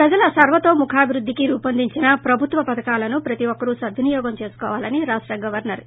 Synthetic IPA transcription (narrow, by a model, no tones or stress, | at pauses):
pɾɐd͡ʒɐlɐsɐɾʋɐt̪o̞ːmukʰaːbʱiɾud̪ʱːikiɾuːpɐnd̪ʱiɲt͡ʃinɐpɾɐbʱut̪ʋɐpɐt̪ɐkaːlɐnupɾɐt̪iʋɔkːɐɾusɐd̪ʱinijɔːɡɐmt͡ʃe̞ːsu̥kɔːʋaːlɐniɾaːʂʈɾɐɡɐʋɐɾnɐɾ